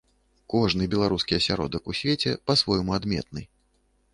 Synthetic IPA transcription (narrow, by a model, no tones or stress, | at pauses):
kɔʐnɨbʲɛlˠaɾuskʲiɐsʲaɾɔ̰d̪ɐkusʲvʲet͡sʲɛpasvɔjmuad̪mʲɛ̰t̪̚nɨ